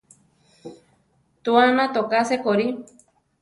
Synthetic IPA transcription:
t̪uanãt̪okasekoɾi

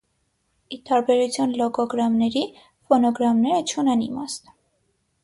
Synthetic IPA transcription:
it̪ɑɾbɛɾut͡sʰjɑnlɔkɔɡɾɑmnɛɾi | fɔnɔɡɾɑmnɛɾət͡ʃʰunɛnḭmɑst̪

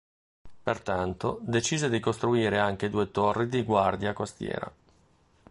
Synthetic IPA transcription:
pert̪ant̪od̪et͡ʃiːzed̪ikost̪ɾuiːɾeaŋk̟ed̪uːet̪orːid̪iɡward̪jakost̪jɛ̰ːɾa̰

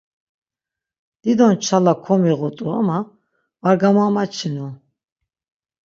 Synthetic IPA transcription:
d̪̥id̪ɔnt͡ʃʰalakʰɔmiʁɔt̪ʼua̰ma | vaɾɡamamat͡ʃʰinu

